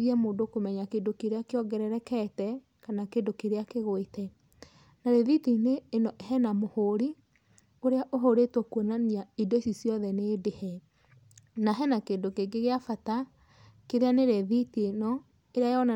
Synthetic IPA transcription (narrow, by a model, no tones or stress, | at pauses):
iɛmoːndokomɛɲakeːndokeɾeakeɔɡɛɾɛɾɛkɛtɛ | kanakendokeɾeakeɣoitɛ | naɾeðitineːnɔʔeɦɛnamohoɾi | oɾeaʔoɦoɾetɔkwonaniaidoisisjɔðɛneːdehɛ | naɦɛnakendokeɡeɣeafata | keɾeaneɾeðitienɔ | eɾeajɔna